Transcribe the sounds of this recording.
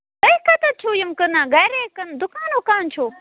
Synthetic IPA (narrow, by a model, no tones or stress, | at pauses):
ɐikʰɐt̪ɐt͡ʃʰuːjɐmkənãːɡɐjɾekɐnd̪ʊkaːnokaːnt͡ʃʰoː